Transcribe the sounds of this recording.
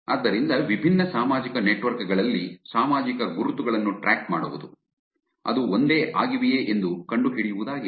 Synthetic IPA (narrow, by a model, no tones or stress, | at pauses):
ɐd̪ːɐɾind̪ɐʋibʱinːɐsaːmaːd͡ʒikɐneʈʋɐɾkɡɐɭɐlːisaːmaːd͡ʒikɐɡuɾut̪uɡɐɭɐnːuʈɾʔaːk̚ʈma̰ːɽuʋud̪u | ɐ̰d̪uond̪e̞ːʔaːɡiʋijeːʔend̪ukɐɳɖuɦiɭijuʋud̪aːɡi